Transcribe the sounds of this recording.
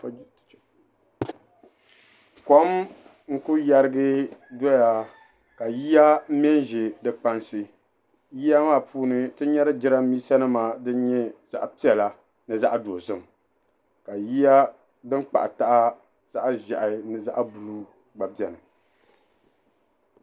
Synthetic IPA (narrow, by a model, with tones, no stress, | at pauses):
ko˦m | ŋ̩˦kʊ˦ja˦ɾɨ˦ɡɨ˦dɔ˦ja˦ | ka˨ji˦ja˦m̩˦m˦ɛ˦n˦ʒe˨dɨ˨k͡pa˦nsɨ˨ | ji˦ja˦maː˦˨pʰuː˦nɨ˦tɨ˦ɲɛ˦ɾɨ˦d͡ʒɪ˦ɾa˦miː˦sa˦nɨ˦maː˨dɨ˦n˦ɲɛ˦z̥a̰˦ʔpi˦ɛ˨la˦ | nɨ˨za˦ʔa˦do˨zɨ˦˨m˨ | ka˨ji˦ja˦ | dɨ˦m˦k͡pa̰˨ʔa˨ta˦ʔa˦ | z̥a˦ʔʒa˨ʔa˨˦nɨ˨za˦ʔbu˨ɾu˦ | ɡ͡ba˨bɛ˨nɨ˨